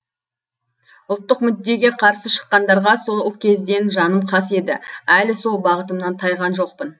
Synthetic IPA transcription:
ʊlˠt̪ːəqmʏd̪ːe̞ɡʲe̞qʰɑɾsəʃə̥qːɑnd̪ɑɾʁɑso̞kʲʰe̞zd̪e̞nʒɑnəmqʰɑse̞d̪ɪ̰ælɪso̞lˠbɑʁət̪əmnɑnt̪ʰɑjʁɑnʒo̞q̚pən

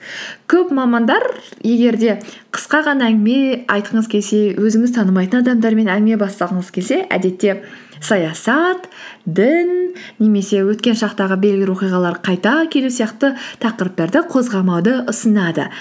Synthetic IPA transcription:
kʲʰɵpmɑmɑnd̪ɑɾje̞ɡʲe̞ɾd̪e̞qʰə̥sqɑʁɑnɑæŋɡʲɪme̞ɑjt̪əɴəzkʲʰe̞lse̞wʔɵzɪŋɪzt̪ʰɑnəmɑjt̪ənɑd̪ɑmd̪ɑɾme̞næŋɡʲɪme̞bɑst̪ɑlˠd̪əɴəzkʲʰe̞lse̞ʔæ̰d̪e̞t̪ːe̞ | sɑjɑsɑt̪d̪ɪnːe̞me̞se̞wɵt̪kʲe̞nʃɑqt̪ɑʁəbe̞lɡʲɪlwo̞qijʁɑlˠɑɾqʰɑjt̪ɑkʲʰe̞lusijɑqt̪ət̪ʰɑqəɾəp̚t̪ɑɾd̪əqʰo̞zʁɑmɑwd̪əʔʊsənɑd̪ə̰

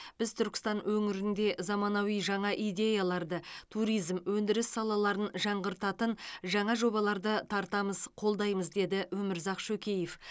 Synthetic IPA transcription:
b̥ɪzt̪ʰʏɾkʲɪ̥st̪ɑnwɵŋɪɾɪnd̪e̞zɑmɑnɑwijʒɑɴɑʔijd̪ʲe̞jalˠɑɾd̪ət̪ʰuɾijzmwɵnd̪ɪɾɪsːɑlˠɑlˠɑɾənʒɑɴʁəɾt̪ɑt̪ənʒɑɴɑʒo̞bɑlˠɑɾd̪ət̪ʰɑɾt̪ɑməz̥qʰo̞lˠd̪ɑjməzd̪e̞d̪ɪwɵmɪɾzɑqʃɵkʲʰe̞jef

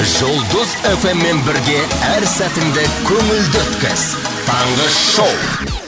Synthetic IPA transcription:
ʒolˠd̪ʊze̞fe̞mːe̞nbɪɾɡʲe̞æɾsæt̪ɪnd̪ɪkʲʰɵŋɪld̪ɪt̪kʲɪ̰z̥ | t̪ʰɑɴʁəsʃowˠ

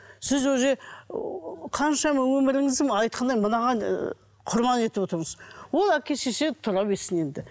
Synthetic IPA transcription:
sɪzwɵze | qʰɑnʃɑmɑwɵmɪɾɪŋɪzd̪ɪmɑjt̪̚qʰɑnd̪ɑjmənɑʁɑ | qʰʊɾmɑne̞t̪ɪbo̞t̪əɾɴəzwo̞lˠækʲe̞ʃeset̪ʰʊɾɑbesɪne̞nd̪ɪ

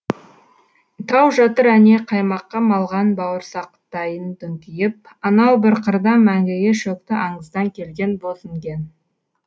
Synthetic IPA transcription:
t̪ʰɑwʒɑt̪əɾæne̞qʰɑjmɑqːɑmɑlˠʁɑnbɑwəɾsɑqt̪ːɑjənt̪ʏŋt̪ʲijɪp̚ | ɑnɑwbɪɾqʰəɾd̪ɑmæŋɡʲejeʃɵkt̪ɪʔɑɴəzd̪ɑŋkʲʰe̞lɡʲe̞nbosəŋɡʲe̞n

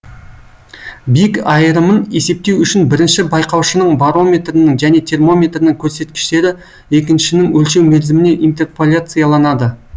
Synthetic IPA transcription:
bikɑjəɾəməne̞se̞p̚t̪e̞wʏʃɪnbɪɾɪnʃɪbɑjqɑwʃənəɴbaɾo̞mʲe̞t̪rənəŋʒæne̞t̪ʰe̞rmo̞mʲe̞t̪rənɪŋkʲʰɵɾse̞t̪kʲɪ̥ʃt̪e̞ɾɪ | e̞k̬ʲɪnʃɪnɪŋwɵlʃe̞wmelzɪmɪne̞ʔint̪e̞rpelʲat̪sɨjalˠɑnɑd̪ə

